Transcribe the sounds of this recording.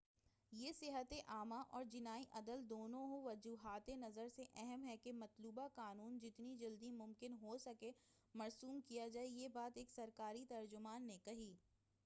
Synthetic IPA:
jeːsɪɦət̪eʔaːmaʔɔːɾd͡ʒɪnaːiʔɐd̪əld̪oːnõɦoʋɐd͡ʒuːɦaːt̪enɐzəɾseʔɛɦɛmɦɛkemɐt̪luːbakaːnuːnd͡ʒɪt̪nid͡ʒɐld̪imʊmkɪnɦosɐke | mɐɾsuːmkijad͡ʒaːejeːbaːt̪eːksɐɾkaːɾit̪ɐɾd͡ʒʊmaːnːekɐɦiː

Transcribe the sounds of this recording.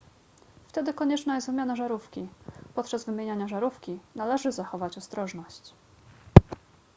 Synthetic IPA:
ft̪ɛd̪ɘkɔɲɛt͡ʂnajɛst̪vɘmʲjanaʐaɾufkʲipɔt̪̚t͡ʂazvɘmʲjeɲaɲaʐaɾufkʲinalɛʐɘzaxɔvat͡ɕɔst̪ɾɔʐnɔɕt͡ɕ

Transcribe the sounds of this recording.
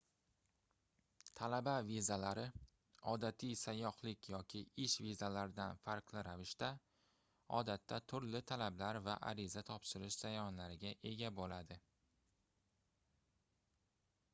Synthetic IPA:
t̪ʰalabavizalaɾɪ | ɒd̪at̪ʰijsajɒhlɪkʲʰjɒkʲʰɪɪʃvizalaɾɪd̪anfaɾqlˠɪɾavɪʃt̪a | ɒ̰d̪at̪ːat̪ʰʊɾlɪt̪ʰalablaɾvaʔa̰ɾɪzat̪ʰɒpʃɪɾɪʃz̥ajɒnlaɾɪɡʲaʔe̞ɡʲabolad̪ɪ

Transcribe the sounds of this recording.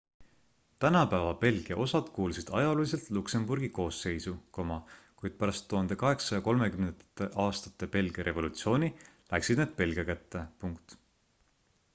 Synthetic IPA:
t̪ænɑpæːvɑpe̞lɡ̥ijɑʔo̞sɑd̪̥kuːlsid̪̥ɑjɑlolʲis̬e̞lt̪lukse̞mburɡ̥iko̞ːsːe̞jsuko̞mɑkujd̪̥̚pæɾɑst̪ːuhɑnd̪e̞kɑɦe̞ksɑjɑko̞lme̞kymnt̪ːeʔɑːst̪ɑ̥t̪ˑːe̞pe̞lɡ̥iɑɾʔe̞vo̞lut̪sio̞ːni | læksid̪̥neːd̪̥̚pe̞lɡ̥ijɑkæt̪ːe̞puŋkt̪

